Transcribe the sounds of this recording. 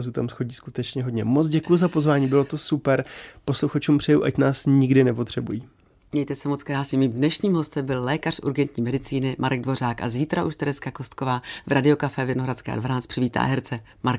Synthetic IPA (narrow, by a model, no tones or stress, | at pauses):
zut̪amsxo̞ɟiːskut̪ɛt͡ʃɲɛɦodɲɛmot͡sɟɛkujuzapozvaːɲiːbɪlot̪osupɛɾpo̞sluxat͡ʃuːmpr̥ɛjuʔacnaːsɲɪɡdɪnɛpo̞t̪r̝̥ɛbujiː | mɲɛjt̪ɛsɛmot͡skɾaːsɪmiːmdnɛʃɲiːmɦo̞st̪ɛmbɪllɛːkar̥ṵɾɡɛnt̪ɲiːmɛdɪt͡siːnɪmʔaɾɛɡ̚dvo̞raːkʔa̰ziːt̪ɾaʔuʃt̪ɛɾɛskako̞st̪̚ko̞vaːvɾadɪo̞kafɛvjɛnoɦɾat͡skɛ̰ːa̰dvanaːt͡st̪pr̥ɪviːt̪a̰ːɦɛɾt͡sɛ | maɾk